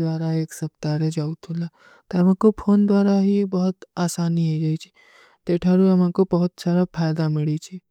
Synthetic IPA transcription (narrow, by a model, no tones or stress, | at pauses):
d̪ʋaːɾaeːksɐp̚t̪aɾed͡ʒaːut̪ʰula | t̪eɐm̤ãkopʰoːnd̪ʋaːɾaɦibəɦʊt̪aːsaːniɦaid͡ʒaːit͡ʃʰi̥ | t̪eʈʰaɾuɐmãkobɐɦʊt̪saːɾapʰaːjd̪amɪɭit͡ʃʰi